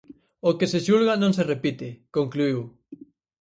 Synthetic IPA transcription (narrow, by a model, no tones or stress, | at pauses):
okeseʃulɣanõŋserepit̪ɪkoŋkluiw